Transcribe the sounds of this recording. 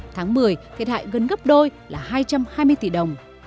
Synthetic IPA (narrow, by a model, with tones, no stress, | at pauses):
t̪ʰaː˨˦ŋmɨ˨˩əjt̪ʰi˨˩t̚ha̰ː˧˨jɣə˨˩nɣə˦˥p̚ɗo˧jlaː˨˩ɦaː˧jt͡ɕa˧mhaː˧jmɨ˧əjt̪i˧˨˩ɗə˨˩wŋ͡m